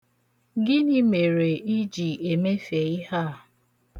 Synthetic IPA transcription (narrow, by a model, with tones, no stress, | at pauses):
ɡɪ˦ni˦me˨ɾe˨i˦d͡ʒi˨e˨me˦fe˨i˦ha˦˨